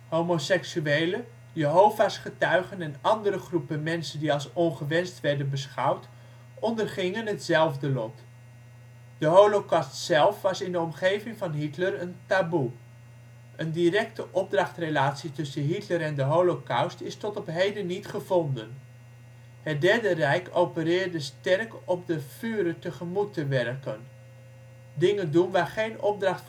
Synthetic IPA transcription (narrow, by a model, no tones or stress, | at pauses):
ɦomosɛksyejlə | jəɦowvaːsχətœɥχənɛnɑndəɾəχrupənmɛnsəndiɑlˠsɔnχəʋɛnstʋɛɹdənbəsχʌwt | ɔndərχɪŋənɦətzɛlˠvdəlɔt | d̥əɦowlokɑstsɛlˠfʋɑsɪndəɔmχejvɪŋvɑnɦitlərəntabu | ʔəndirɛktəʔɔb̚drɑχtrelaːtsitʏsəɦitləɾɛndəɦowlokawstɪstɔtɔpɦejdənːitχəvɔndən | hət̚dɛɹdərɛjkowpəɾɪːɹdəstɛrkɔp̚dəfyːɾətəχəmutːəʋɛrkən | dɪŋəndunʋaːɹχejnɔb̚drɑχt